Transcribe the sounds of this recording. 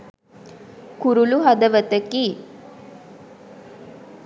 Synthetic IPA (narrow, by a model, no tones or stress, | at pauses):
kuɾuluɦɐd̪ɐʋət̪ɐki